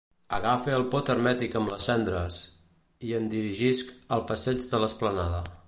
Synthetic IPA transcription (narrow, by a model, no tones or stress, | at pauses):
əɣafeəlˠpɔt̪əɾmɛt̪ikəmləsɛnd̪ɾəs | iənd̪iɾiʒiskəlˠpəsɛd͡ʒðələsplənaðə